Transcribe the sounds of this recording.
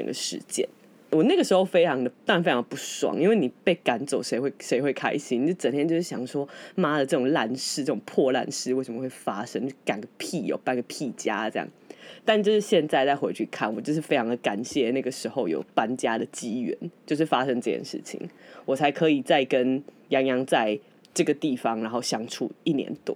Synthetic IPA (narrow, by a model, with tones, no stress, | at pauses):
ʈ͡ʂə̰˨˩ŋɡə̰˦ʂɻ̩̰˧˥t͡ɕjɛ̰˥˩n | wɔ˨˩na˥˩ɡə˩ʂɻ̩˧˥xo˥˧ʊfe˥ɪʈ͡ʂʰɑ˧˥ŋd̪ə˨t̪ɑ˥˧˥nfe˥ɑ˧ŋ˧də˨pu˥˩swɑ̰˨˩ŋi˥nwe˥˩ɪni˨˩pe˥˩ɪka˨˥nt͡so˨˩ʊʂe˧˥ɪxwe˥˩ɪʂe˧˥ɪxwe˥˩ɪkʰa̰˥ɪɕi˥ni˨t͡ɕjo˥˩ə˨˩nt̪ʰjɛ˥nt͡ɕjo˥˧ʊʂɻ̩˥˩ɕjɑ˨˩ŋʂwɔ˥ma˥d̪ə˨ʈ͡ʂɤ˥˩ʈ͡ʂʊ˨˩ŋla˥˧˩nʂɻ̩˥˧ʈ͡ʂɤ˥˩ʊ˨˩ŋpʰwɔ˥˧la̰˥˧nʂɻ̩˥˧we˥˩ɪʂə˧˨mə˧xwe˥˩ɪfa˥ʂə˥ŋ˥ka˨˩nɡə˩pʰi˥˨˩jo̰˨˩pa˥nɡə˩pʰi˥˩t͡ɕja̰˥ʈ͡ʂɤ˥˧jɑ̰˥˩ŋt̪a˥˧nt͡ɕjo˥˧ʊʂɻ̩˥˩ɕjɛ˥˧nt͡sa˥˧ɪt͡sa˥˧ɪxwe˧ɪt͡ɕʰy˥˧kʰa̰˥˩nwɔ˨˩t͡ɕjo˥˧ʊʂ̬ɻ̩˥˩fe˥ɪɑ˧ŋd̪ə˨˩ka˨˩nɕjɛ˥˨na˥˩ɡə˩ʂɻ̩˧˥xo˧˥˧ʊjo̰˨˩ʊpa˥nt͡ɕja˦d̪ə˨t͡ɕi˥ɥɛ̰˧˦nt͡ɕjo˥˧ʊʂɻ̩˥˩fa˦ʂə˥ŋʈ͡ʂɤ˥˧t͡ɕjɛ̰˥˩nʂɻ̩̰˥˩t͡ɕʰḭ˨˩˦ŋwɔ˨˩t͡sʰa˧˥ɪkʰɤ˧˦i˨˩t͡sa˥˩ɪkə˦n | jɑ˧˥ŋjɑ˧˥ŋt͡sa˥˧ɪ | ʈ͡ʂɤ˥˩ɡə˩t̪i˥˩fɑ˧˥ŋɻa˧˥nxo˥˩ʊɕjɑ˥ŋʈ͡ʂʰṵ˥˩i˥˩njɛ̰˧˦nt̪wɔ˥˦